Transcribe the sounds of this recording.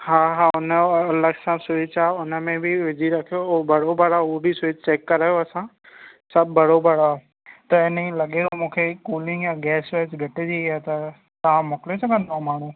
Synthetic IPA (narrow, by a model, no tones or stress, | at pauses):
ɦaːɦaːʊnəɐləɡsãsʊit͡ʃaːʊnəmẽbʱɪʋɪd͡ʑʱiɾɐkʰijoobʱɐɽobəɽaʊobʱɪsʊt͡ɕeːkːɐɾaːjoɐsã | sɐbʱːɐɽobɐɽa | t̪ɐɪnĩlɐɠeomũːkʰekuːlɪ̃ŋɡjãɡɛːsɾɛːsbʱeʈed͡ʑiat̪ɐ | t̪ɐãmʊkɪlesɐɡʱə̃nd̪aɦmaːɽ̤̃ũː